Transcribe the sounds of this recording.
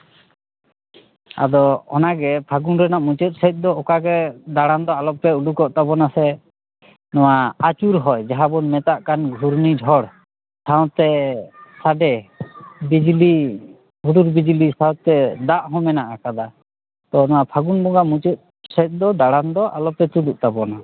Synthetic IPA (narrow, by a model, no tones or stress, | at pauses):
a̰d̪ɔɔnaɡɛpʰaɡunɾɛnaʔmut͡ʃɔt̪̚ˀsɛt̪̚ˀd̪ɔɔkaɡɛd̪aɽand̪ɔalɔpːɛuɖukɔʔt̪abɔnasɛ | nɔwaat͡ʃuɾɦɔjd͡ʒaɦabɔnmɛt̪aʔkanɡʱuɾnid͡ʒʱɔɽ | saw̃t̪ɛsaɖɛ | bid͡ʒli | uɖuɾbid͡ʒlisawt̪ɛd̪aʔɦɔ̃mɛnaʔakad̪a | t̪ɔnɔwapʰaɡunbɔŋɡamut͡ʃɔt̪̚ | sɛt̪̚ˀd̪ɔd̪aɽand̪ɔʔalɔpɛt̪uɖuʔ̚t̪abɔna